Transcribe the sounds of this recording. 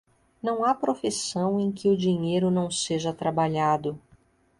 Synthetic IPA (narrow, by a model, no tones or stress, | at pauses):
nɐ̃w̃apɾofisɐ̃w̃ẽj̃kɪʊd͡ʒiɲejɾʊnɐ̃w̃seʒɐt̪ɾabaʎad̪ʊ